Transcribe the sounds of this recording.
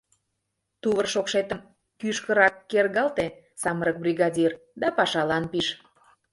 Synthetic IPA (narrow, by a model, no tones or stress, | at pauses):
t̪uβərʃokʃet̪əm | kyʃkəɾɑkːerɣɑlt̪e | sɑməɾək̚brʲiɣɑdʲir | d̪ɑpɑʃɑlɑnpiʃ